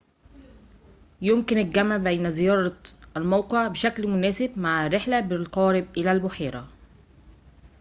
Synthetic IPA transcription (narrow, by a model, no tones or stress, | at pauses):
jʊmkɪnɪɡæmaʕbejnæzɪjɑːɾˤɑʔalmɑwqeʕbɪʃæklmʊnæːsɪbmaʕarːɪħlæbɪlqɑːɾɪbʔɪlælbʊħeːɾæ